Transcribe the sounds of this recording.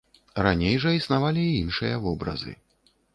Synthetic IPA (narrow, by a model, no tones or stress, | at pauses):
ranʲejʐɐisnavalʲiinʂɨjɐvɔbɾɐ̰zɨ̰